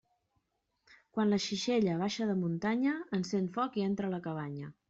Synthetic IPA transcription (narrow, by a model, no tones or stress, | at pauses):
kwanləʃiʃeʎəβ̞aʃəðəmunt̪aɲəːnsent̪fɔkient̪ɾələkəβ̞aɲə